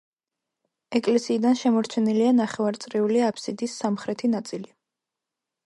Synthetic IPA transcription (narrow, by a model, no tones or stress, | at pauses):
ɛkʼlɛsiːd̪anʃɛmɔɾt͡ʃʰɛnilianaχɛvaɾt̪sʼɾiuliapʰsid̪isːamχɾɛt̪ʰinat̪sʼili